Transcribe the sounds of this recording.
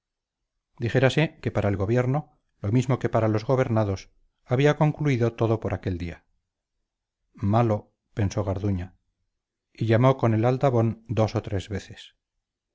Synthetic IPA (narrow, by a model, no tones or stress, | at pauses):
d̪iχe̞ɾaseke̞paɾʔaelɣo̞βje̞ɾno̞ | lo̞mizmo̞ke̞paɾalo̞zɣo̞βe̞ɾnaðo̞s | aβiako̞ŋkluiðo̞t̪o̞ðo̞po̞ɾʔake̞ld̪ia | malo̞ | pe̞nso̞ɣaɾðuɲa | iʎamo̞ko̞ne̞lald̪aβo̞nd̪o̞sot̪ɾe̞zβe̞θes